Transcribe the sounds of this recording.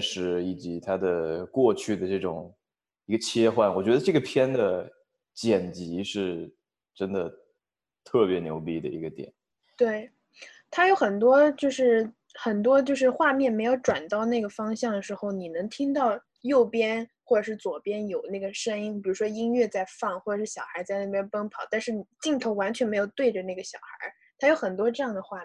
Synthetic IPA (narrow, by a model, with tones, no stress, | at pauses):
ʂɻ̩˧˥i˨˩t͡ɕi˧˥t̪ʰa˥d̪ə˨kwɔ˥˧t͡ɕʰy˥˩d̪ə˩ʈ͡ʂɤ˥˩ʈ͡ʂʊ̰˨˩˦ŋ | i˧˥ɡə˧t͡ɕʰjɛ˥xwa˥˩nwɔ˨˩t͡ɕɥɛ˧˥ə˧ʈ͡ʂɤ˥˩ɡə˩pʰjɛ˥nd̪ə˨ | t͡ɕjɛ˨˩nt͡ɕi˧˥ʂɻ̩˥˩ | ʈ͡ʂə˥nd̪ə˨˩ | t̪ʰɤ˥˩pjɛ˧˥njo̰˧˥ʊpi˥˩d̪ə̰˧ḭ˧˥ɡə˧t̪jɛ̰˨˩˦n | t̪we˥˩ɪ | t̪ʰa˥jo˧˥ʊxə˨˩nt̪wɔ˥t͡ɕjo˥˧ʊʂɻ̩˥˩ | xə˨˩nt̪wɔ˥t͡ɕjo˥˧ʊʂɻ̩˥˧xwa˥˧mjɛ˥˩nme˧˥ɪjo˧˥ʊʈ͡ʂwa˨˩nt̪ɑ˥˧ʊna˥˩ɡə˩fɑ˥ŋɕjɑ˥˩ŋd̪ə˩ʂɻ̩˧˥xo˥˧ʊni˨˩nɤ˧˥ŋt̪ʰi˥ŋt̪̬ɑ˥˧ʊ | jo˥˩ʊpjɛ˥nxwɔ˥˩ʈ͡ʂə˨˩ʂɻ̩˥˩t͡swɔ˨˩pjɛ˥njo˨˩ʊna˥˩ɡə˩ʂə˥ŋi˥ŋpɻu˧˥ʂwɔ˥i˥ŋɥɛ˥˧t͡sa˥˧ɪfɑ˥˩ŋxwɔ˥˩ʈ͡ʂʂɻ̩˥˩ɕjɑ˨˩xa˧˥ɪt͡sa˥˧ɪna˥˩jɛ˥npə˥ŋpʰɑ˨˩˦ʊt̪a˥˧nʂɻ̩˥˩ni˨˩t͡ɕi˥˩ŋt̪ʰo˧˥ʊwa˧˥nt͡ɕʰɥɛ˧˥nme˧˥ɪjo˨˩ʊt̪we˥˩ɪʈ͡ʂə˩na˥˩ɡə˩ɕjɑ˨˩ʊxa̰˧˥ | t̪ʰa˥jo˧˥xə˨˩nt̪wɔ˥ʈ͡ʂɤ˥˧jɑ˥˩ŋd̪ə˩xwa˥˧